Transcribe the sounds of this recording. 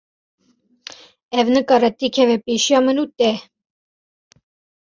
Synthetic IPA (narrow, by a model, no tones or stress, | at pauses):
ɛvnəkɑɾɛt̪ikʰɛvɛpeʃijɑmənuːt̪ɛ